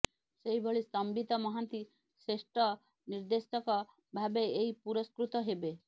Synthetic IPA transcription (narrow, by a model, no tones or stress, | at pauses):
seɦibʱɔɭist̪ɔmbit̪ɔmɔɦant̪i | sesʈɔ | niɾd̪estɔkɔ | bʱabeeɦipuɾɔskɾut̪ɔɦebe